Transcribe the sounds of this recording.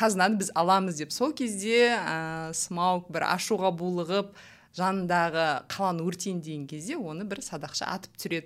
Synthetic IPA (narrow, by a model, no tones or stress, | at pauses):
qʰɑzənɑd̪əbɪzɑlˠɑməzd̪e̞pso̞lˠkʲʰe̞zd̪e̞əsəmɑwk̚bɪɾɑ̰ʃuʁɑbulˠəʁəp̚ | ʒ̥ɑnənd̪ɑʁəqʰɑlˠɑnəwɵɾt̪e̞nd̪e̞ɡʲeŋkʲʰe̞zd̪e̞wo̞nəbɪɾsɑd̪ɑqʃə̰ʔɑ̰t̪ə̥pt̪sʏɾe̞d̪ɪ